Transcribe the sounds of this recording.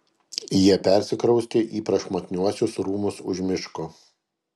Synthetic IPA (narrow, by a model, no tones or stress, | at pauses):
jiɛpʲɛɾʲsʲɪkɾɒʊsʲt̪ʲeːʔiːpɾɐʃmok̪ʲnʲuɔsʲʊsɾuːmʊsʊʒʲmʲɪʃko